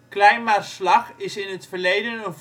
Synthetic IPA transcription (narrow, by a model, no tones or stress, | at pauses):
klɛjmaslɑχɪsɪnɦətfəɹlejdənənv